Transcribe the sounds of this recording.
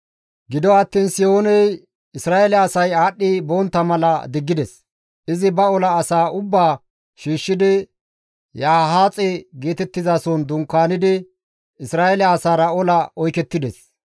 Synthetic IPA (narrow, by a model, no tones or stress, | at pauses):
ɡɪd̪ɔɐt̪ːiːnsɪjo̞ːnɛj | ɪsɾaːʔɛlɛɐsɐjaːɗːiboːnt̪ːɐmɐlɐd̪ɪɡːɪd̪ɛs | ʔɪzɪbɐɔlɐːsaːʔʊbːaː | ʃiːʃːɪd̪ɪ | jaːɦaːt͡sʼɛɡe̞ːt̪ɛt̪ːɪzaːsɔnd̪ʊŋkːaːnɪd̪ɪ | ɪsɾaːɛlɛːsaːɾɐɔlɐʔɔjkɛt̪ːɪd̪ɛs